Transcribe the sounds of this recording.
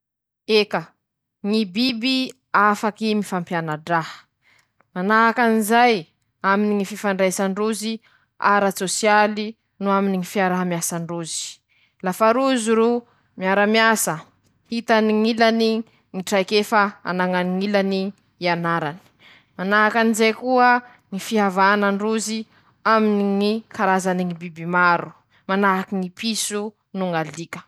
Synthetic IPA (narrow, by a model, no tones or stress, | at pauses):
ekə | ŋibibi | afakimifampjanaɖ͡ʐahə̥ | manaɦakanizaj | aminiŋififaɳɖ͡ʐajsaɳɖ͡ʐuzi | a̰ɾat͡sosjali | nuaminiŋifiaɾaɦamjasaɳɖ͡ʐuzi̥ | lafaɾuzuɾu | miaɾamjasə | hit̪aniŋilani | ŋiʈ͡ʂajkefaa̰naŋaniŋilani | ianaɾani̥ | manaɦakanizejkuə | ŋifiɦavanaɳruzi | aminiŋikaɾazaniŋibibimaɾu | manaɦakiŋipisu | nuŋalikə̥